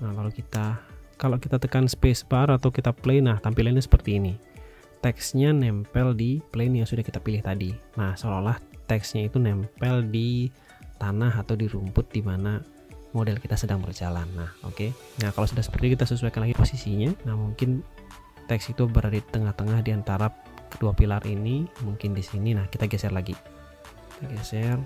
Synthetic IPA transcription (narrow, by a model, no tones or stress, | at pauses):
alalukit̪akaloʔkit̪at̪əkanspesbaɾat̪awkit̪apleɪnːaht̪ampilanɲasə̥pərt̪iːni | t̪ɛksɲanɛmpɛldipleɪnjaŋsudahkit̪apilɪht̪adinahsololaht̪ɛksɲait̪unɛmpɛldi | t̪anaɦat̪awdiɾumpʊt̪̚dimana | modɛlkit̪asədaŋbərd͡ʒalanːaho̰ke | nahkalawsudahsə̥pərt̪ikit̪asusuajkanlaɡiposisiɲanahmuŋkɪn | t̪ɛksit̪ubəɾadat̪əŋaht̪əŋahdiant̪aɾa | kəduapilarʔinimuŋkɪndisininahkit̪aɡɛsɛrlaɡi | t̪aɡɛsɛr